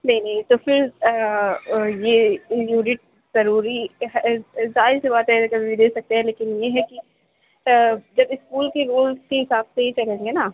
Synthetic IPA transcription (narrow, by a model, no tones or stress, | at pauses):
nɐɦĩnɐɦĩt̪ofɪɾ | jejuːnɪʈ̚ | z̥ɐɾuːɾiɦzaːɪɾsebaːt̪ɦɛkɐbʱibid̪eːsɐk̚t̪eɦɛ̃leːkɪnjeɦɛki | d͡ʒɐbɪskuːlkeɡoːlkeɦɪsaːbseɦit͡ʃɐlẽːŋɡenaː